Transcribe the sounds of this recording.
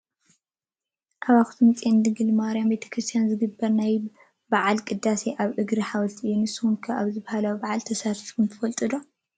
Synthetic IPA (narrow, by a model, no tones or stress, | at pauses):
ʔaβaxt̪ʰumɨt͡sʼend̪ɨɡɨlmaɾjambe̞t̪ʰɐ̥kʰɾɨst̪ʰijanzɨɡɨbːɐɾnaj | baʕalkʼɨd̪ːaseʔaβʔɨɡɾiħawɐlt̪ʰiʔɨjːunɨsːɨhumkʰɐʔaβzɨβahalawbaʕalt̪ʰɐsat̪ifkunt̪ʰɨfɐlt̪ʼɨd̪o